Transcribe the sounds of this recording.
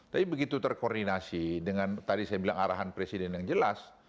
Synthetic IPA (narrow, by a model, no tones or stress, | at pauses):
t̪apibəɡit̪ut̪ərkordinasidəŋant̪adisajabilaŋaɾaɦanpɾesidɛnjaŋd͡ʒəlas